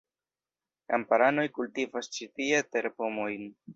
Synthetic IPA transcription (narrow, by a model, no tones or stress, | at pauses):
kampaɾano̞jkultivast͡ʃitiete̞ɾpo̞mo̞jn